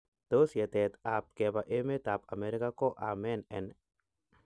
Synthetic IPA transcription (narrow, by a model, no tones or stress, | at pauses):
t̪osjat̪et̪ap̚kebaʔemet̪apameɾikakoʔamenen